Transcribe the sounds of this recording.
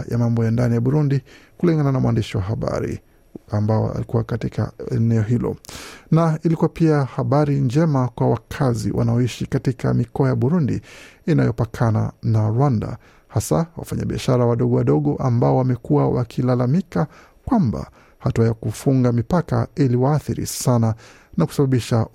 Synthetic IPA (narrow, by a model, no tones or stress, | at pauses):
ja̰mambɔjandanijaɓuɾundikuliŋɡananamwandiʃiwaɦaɓa̰ɾḭ | ambaɔ̰a̰likuwakatika̰ɛnɛɔɦilɔ̰nailikuwapiahaɓaɾind͡ʒɛmakwawakʰazḭwʔa̰naɔiʃikatika̰mikɔajaɓuɾundiinajɔpakʰana̰naɾwanda̰ | hasawa̰faɲaɓiaʃaɾawaɗɔɠɔwaɗɔɠɔʔambaɔwamɛkuwawa̰kʰilalamika | kwamba̰ | hatuajakufuŋɡamipaka̰iliwaːθiɾḭsana | naku̥saɓaɓiʃa